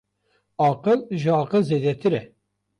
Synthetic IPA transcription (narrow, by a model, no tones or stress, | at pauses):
ɑːqɨlʒɨɑːqəlzeːd̪ɛt̪ʰɨɾɛ